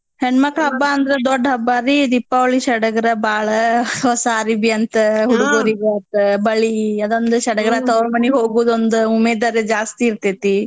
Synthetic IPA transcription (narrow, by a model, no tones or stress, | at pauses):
heɳmɐkɭɐɦɐbːaɐnd̪ɐɾed̪ɔɖːɐbːaːɾid̪ipːaʋɐɭːiʃɐɽɐɡɐɾɐbaːɭɐɦɔsaːɾibiɐnt̪ɐɦuɽuɡoːɾiʋeɐt̪ɐbɐɭiɐd̪ond̪uʃɐɽɐɡɐɾɐt̪ɐʋɾɐmɐniɦoːɡuːd̪ond̪uumeːd̪ɐɾed͡ʒaːst̪iːɾt̪et̪i